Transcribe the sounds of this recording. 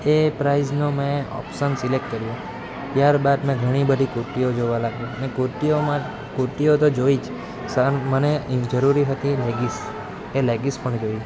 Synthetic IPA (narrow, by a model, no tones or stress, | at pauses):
epɾaiznomẽɔ̰pʃənsilek̚ʈ̚kəɾjũ | t̪jaɾbad̪mɛ̃ɡʱəɽ̃ibəd̪ʱikuɾʈiod͡ʒoʋalaɡjũənekuʈiomã | kuɾʈiot̪od͡ʒoid͡ʒ | səməned͡ʒəɾuɾiɦət̪ileɡis | eleɡispəɳd͡ʒoi